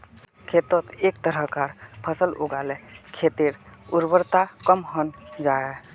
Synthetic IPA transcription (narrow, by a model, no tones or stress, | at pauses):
kʰet̪ət̪ek̚t̪əɾəɦkaɾpʰəsəlṵɡalɛkʰet̪iɾuɾbəɾt̪akəmɦənd͡ʒae